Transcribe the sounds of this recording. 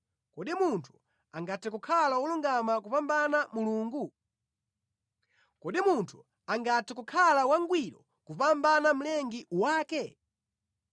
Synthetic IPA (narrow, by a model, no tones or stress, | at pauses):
kɔɗimuntʰu̥ | aŋɡatɛkukʰalauluŋɡamakupambanamuluːŋɡu | kɔɗimuntʰu | aŋɡatɛkukʰalawaŋɡwiɗɔ | kupambanam̩lɛŋɡiwaːkɛ